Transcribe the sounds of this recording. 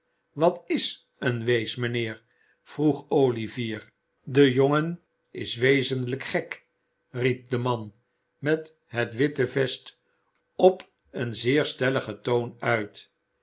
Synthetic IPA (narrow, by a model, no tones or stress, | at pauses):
ʋɑtɪs | ənʋejsmənɪːɹ | v̥ruχowliviːɹ | dəjoŋən | ɪsʋejzənləkχɛk | rip̚d̪əmɑn | mɛt | ɦətʋɪtəvɛst | ɔp | ənzɪːɹstɛləχətownœɥt